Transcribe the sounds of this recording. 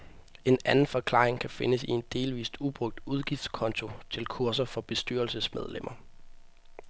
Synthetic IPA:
e̝nænn̩fɒ̽kʰlɑ̰̈ːʁeŋkʰæfe̝nəsie̝nd̥e̝ːlʋḭːsd̥ub̥ʁɔ̽ɡ̥̚d̥uð̞ˠɡ̥ifd̥skʰɒ̽nt͡sʰo̝t͡sʰe̝lkʰuɐs̬ɐfɒ̽b̥e̝sd̥y̰ːɐlsəsmeð̞ˠlem̰ʔɐ

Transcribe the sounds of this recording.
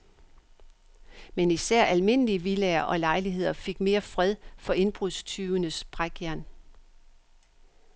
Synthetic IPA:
menisæɐ̰ʔælme̝n̰əliəʋileɐʔɒ̽lɑ̈ɪliɦe̝ð̞̰ˠɐfe̝ɡ̥me̝ːɐfʁɛðˠfɒ̽e̝nb̥ʁuðˠst͡sʰyːʊənəsb̥ʁaɡ̥jæɐn

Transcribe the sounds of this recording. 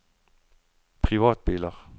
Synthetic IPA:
pʰʁiʋa̰ːd̥̚b̥elɐʁ

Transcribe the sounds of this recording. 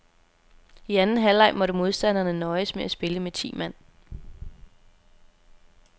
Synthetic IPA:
iænn̩ɦælɑ̈ɪ̰mɒ̽ɾəmo̝ð̞ˠsd̥æn̰ɐnənɒ̽ɪəsmeæsb̥e̝ləmet͡sʰḭːmæn̰

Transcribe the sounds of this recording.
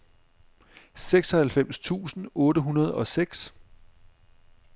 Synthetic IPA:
seɡ̥sɒ̽hælfem̰st͡sʰṵːsn̩ɔ̽ːɾəɦunɐð̞ˠɒ̽seɡ̥s

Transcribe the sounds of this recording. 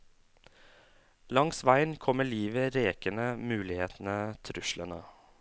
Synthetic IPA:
lɑŋsʋæɪnkʰɔməɭiːʋəɾeːkənəmʉːlɪheːt̪n̩ət̪ʰɾʉʃlənə

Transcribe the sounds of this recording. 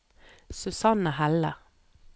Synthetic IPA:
sʉsɑnəhælə̰

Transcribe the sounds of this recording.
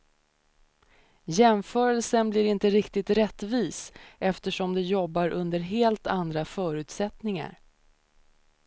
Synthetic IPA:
jɛmfœːɾəlsənblɪɾɪnt̪əɾɪkt̪ɪt̪ɾɛt̪ːviːsʔɛft̪əʂɔmd̪ɛjɔbːaɾʔɵnd̪əɾɦeːlt̪and̪ɾafœːɾʉ̟ːt̪sɛt̪nɪŋa̰ɾ

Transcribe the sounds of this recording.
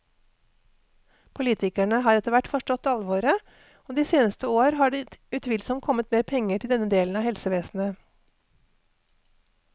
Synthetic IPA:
pʰʊliːt̪ʰɪkæɳəɦɑːɾɛt̪əɾʋæʈːfɔʂʈɔt̪ːɑlʋoːɾə | oːd̪iːseːnəst̪əoːɾɦɑːɖiʉt̪ʰʋɪlsɔmkʰɔmət̪meːɾpʰɛŋːəʈʰɪld̪ɛnːəd̪eːln̩ɑːhɛlsəʋeːsn̩ə

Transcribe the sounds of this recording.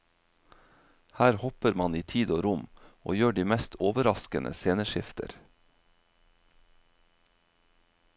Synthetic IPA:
hæːɾhɔpəɾmɑniːt̪ʰiːd̪oːɾʊmʔo̰ːjøːɖiːmɛst̪ʰoːʋəɾɑskənʔə̰seːnəʃɪft̪ʰə̰ɾ

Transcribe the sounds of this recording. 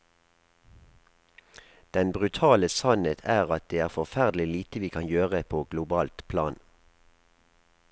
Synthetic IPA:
d̪̥ɛnbʁʉt̪ʰɑːləsɑnət̪ʰæːʁɑt̪̚d̪eːæːʁfɔʁfæʁd̪l̩ɪliːt̪əʋiːkʰɑnjøːʁəpʰoːɡlʊbɑːlt̪pʰlɑ̰ːn

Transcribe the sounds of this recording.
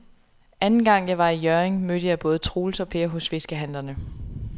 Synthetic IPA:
ʔænn̩ɡ̥ɑ̈ŋ̰jɑ̈ɪʋɑ̈ijœɐeŋmød̥əjɑ̈ɪb̥ɔ̽ːð̞̩ˠt͡sʰʁoːl̩sɒ̽pʰe̝ɐɦɔ̽sfe̝sɡ̥əɦænlɐnə

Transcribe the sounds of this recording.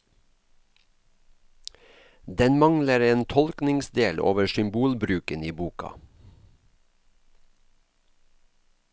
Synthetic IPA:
d̪ɛnmɑŋləɾeːnt̪ʰɔlknɪŋsd̪eːlo̰ːʋəʃʏmbuːlbɾʉːkəniːbuːkɑ̰

